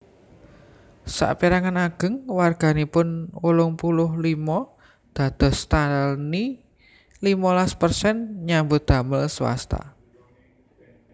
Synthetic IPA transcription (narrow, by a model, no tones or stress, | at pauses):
sa̰ʔpiɾaŋanaɡ̥ə̤ŋwarɡ̥a̤nipʊnulʊŋpulʊɦlimɔ | d̪̥ä̤d̪̥ɔ̤st̪alni | limɔlaspərsɛnɲambud̪̥a̤məlswa̰st̪a̰